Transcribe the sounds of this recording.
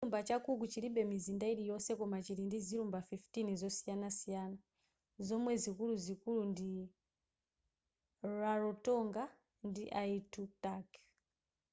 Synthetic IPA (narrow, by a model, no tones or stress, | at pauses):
iumbat͡ʃakukut͡ʃiɾiɓɛmizindaiɾijɔsɛkɔmat͡ʃiɾindiziɾumbafiftinizɔsijanasijaːna | zɔmwɛzikuluzikulundi | raɾɔtɔŋɡa | ndiʔaitutak